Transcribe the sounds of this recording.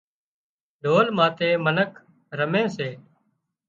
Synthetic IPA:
ɖʱoːlmãːt̪eːmənəkʰ | ɾəmẽːseː

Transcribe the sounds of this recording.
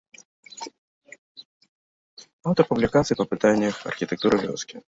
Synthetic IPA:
awt̪ərpʊblʲɪkat̪sɨjpəpɨt̪anʲɪjəxɐ̰rxʲɪt̪ʲɪk̚t̪uɾɨvʲo̰skʲɪ

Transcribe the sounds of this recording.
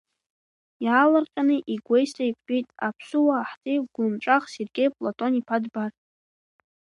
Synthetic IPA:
jaːlarqʲʼanɨʔiɡʷe̞jstʰʼaikʷʼħʼitʼapʰsuwaːħtʰʼiɡʷʊmʈ͡ʂʷʼaχserɡʲe̞jpʼlatʼo̞nipʰadbar

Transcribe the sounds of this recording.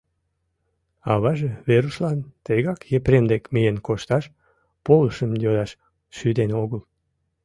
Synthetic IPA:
ɑβɑʒeβeɾuslɑnt̪əɣɑkjepɾend̪ekmijenkoʃt̪ɑʃ | poləʃəmjod̪ɑʃ | ʃyd̪enoɣəl

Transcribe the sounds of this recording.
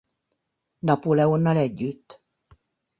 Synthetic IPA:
nɒpolɛonːɑlɛɟːyt̪ː

